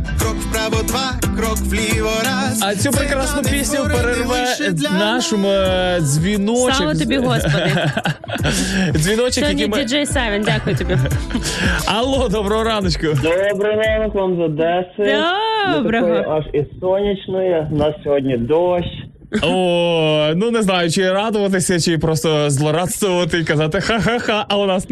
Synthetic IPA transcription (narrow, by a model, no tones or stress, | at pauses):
kɾɔkspɾaʋɔd̪ʋa | kɾɔkʋlʲiʋɔɾa | ɐt͡sʲupɾekɾasnʊpʲisʲnʲɐpeɾerʋɛnɑʃɔmʊzʲʋʲinɔlt͡ʃɪkʋɐt̪ɔbʲiɦɔsɔd̪ | zʲʋʲinɔt͡ʃɪkɦjɐd̪ʲnʲimʲid͡ʒɛjsɛʋɛndʲakʊjʊt̪ɔbʲi | ɐlˠod̪ɔbɾɐɦɔɾɑnɔt͡ʃʲkʊd̪ɔbɾɪjɾanɔkʋɑmzɐd̪ɛsɪ | tɐbɾɐɔjɔʔɐʃisɔnʲit͡ʃnɔjɛnɑssʲɔɦɔdʲnʲid̪ɔʃʲ | o | nuneznɑjʊt͡ʃɪɾɑd̪ʊʋɐt̪̬ɪsʲɐt͡ʃɪpɾɔst̪ɔzlˠɔɾɑt̪st̪ʋɔʋɐt̪ɪikɐzɑt̪ɪxaɦaxɑʔɐɛnɑs